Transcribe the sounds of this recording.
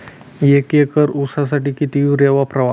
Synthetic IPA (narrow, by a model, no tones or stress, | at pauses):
jekjekəɾusas̬aʈiːkit̪iuɾeʋapɾəʋa